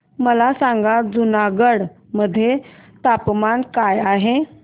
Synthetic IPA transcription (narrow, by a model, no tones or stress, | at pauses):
məlasãŋɡad͡zunaɡəɽ | məd̪ʱːjet̪apmankajaɦe